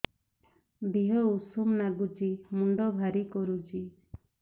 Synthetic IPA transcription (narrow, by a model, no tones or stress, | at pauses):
biɦɔusumnaɡut͡ʃimuɳɖɔbʱaɾikɔɾut͡ʃi